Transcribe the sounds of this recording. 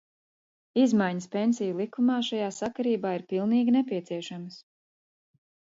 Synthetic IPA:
izmajɲəspensijulˠikumaːʃajaːsakaɾiːbaːiɾpilˠniːɡʲinɛpiɛt̪siɛʃaməs

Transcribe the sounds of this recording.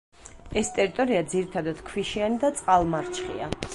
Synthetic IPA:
ɛst̪ʼɛɾit̪ʼɔɾiad̪ziɾit̪ʰad̪ad̪̥kʰwiʃianid̪at̪sʼqʼalˠmaɾt͡ʃʰχḭa

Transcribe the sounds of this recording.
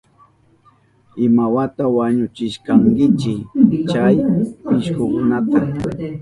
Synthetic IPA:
ɪmawat̪awaɲʊt͡ʃɪʃkaŋkɪt͡ʃɪt͡ʃajpɪʃkʊkʊnat̪a

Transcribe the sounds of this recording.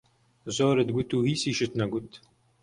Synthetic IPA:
zoːɾɨt̪̚ɡut̪uːhiːsiːʃɨt̪nɐɡut̪

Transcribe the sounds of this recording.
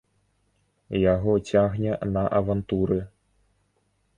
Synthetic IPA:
jaɣɔt͡sʲaɣnʲɛnɐʔɐvant̪uɾɨ

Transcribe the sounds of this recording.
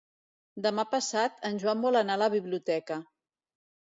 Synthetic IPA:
d̪əmapəsat̪ənʲʒwambɔlənaləβiβliut̪ɛkə

